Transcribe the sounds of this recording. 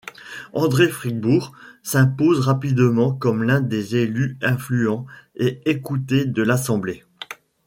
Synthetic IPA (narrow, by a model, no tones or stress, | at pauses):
ɑ̃d̪ʁefχiɡ̚buʁsɛ̃pozʁapid̪mɑ̃kɔmlɛ̃d̪ezelyɛ̃flyɑ̃eekut̪ed̪əlasɑ̃ble